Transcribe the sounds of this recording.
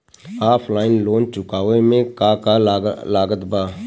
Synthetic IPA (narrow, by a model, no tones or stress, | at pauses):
aːpʰlaːɪnloːnt͡ʃʊkaːʋemẽkaːkalaːɡət̪baː